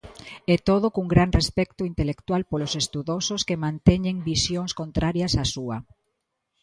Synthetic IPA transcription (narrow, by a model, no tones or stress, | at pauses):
ɛt̪oðokuŋɡɾaŋrespɛkt̪ʊint̪elekt̪walpolosest̪uðososkemãnt̪ɛɲeŋbisjoŋskont̪ɾaɾjɐsasuɐ